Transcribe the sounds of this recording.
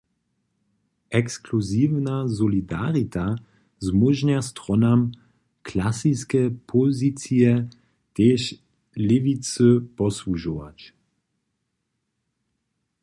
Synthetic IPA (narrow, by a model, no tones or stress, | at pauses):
ɛkskluzivnazɔlid̪aʁit̪a | zmɔʒnast̪ʁɔnam | klasiskɛpʰɔzit͡siɛ | t̪eːʃ | lɪvit͡sɨpɔsluʒɔva̰t͡ʃ